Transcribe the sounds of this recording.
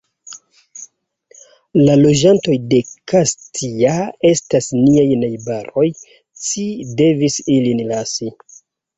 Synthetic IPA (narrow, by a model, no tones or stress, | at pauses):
lalo̞d͡ʒanto̞jde̞kastʰiae̞stasniajnajbaɾo̞j | t͡ʃide̞visilinlasi